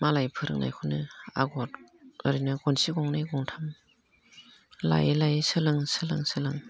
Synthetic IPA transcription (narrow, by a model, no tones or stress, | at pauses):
malajpʰɯɾɯ̰ŋna̰jkʰunɯa̰ɡɔt | ɯɾinɯɡɔnsiɡɔŋnajɡɔŋtʰam | la̰jlajsɯlɯŋsɯlɯŋsɯlɯŋ